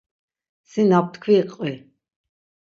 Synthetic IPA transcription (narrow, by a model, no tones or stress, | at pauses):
sinap̚t̪ʰkʰwiqʼwi